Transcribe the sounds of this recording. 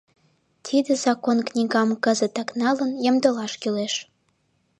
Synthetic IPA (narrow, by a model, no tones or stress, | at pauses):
t̪ʰid̪əzɑkonknʲiɣɑmkəzət̪ɑknɑlənjə̆md̪əlɑʃkyleʃ